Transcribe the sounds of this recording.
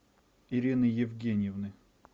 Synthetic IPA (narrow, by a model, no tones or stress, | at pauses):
iɾʲinɨjɪvɡʲenʲɪjɪvnɨ